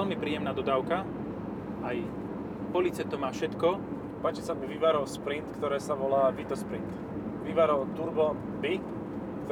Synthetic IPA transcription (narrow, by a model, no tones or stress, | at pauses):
ɛlmipɾiːjɛmnaːd̪ɔd̪aːʊka | aj | pɔlit͡sɛt̪ɔmaːfʃɛt̪kɔ | paːt͡ʃɛsamuʋiʋaɾɔlspɾint̪kt̪ɔɾɛːsaʋɔlaːʋit̪ɔspɾint̪ | ʋiʋaɾɔlt̪uɾbɔ | bi | kt̪